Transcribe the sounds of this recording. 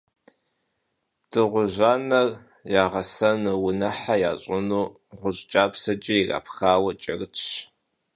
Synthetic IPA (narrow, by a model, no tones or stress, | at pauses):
d̥ɨʁʷʊʑʷaːnɐr | jaːʁɐsɐnɨwʊnɐħajaːɕʼɪnuː | ʁʷʊɕt͡ʃʼaːpsɐt͡ʃʼɪira̰ːpʰxaːwɐt͡ʃʼɐrt͡ʃʰɕ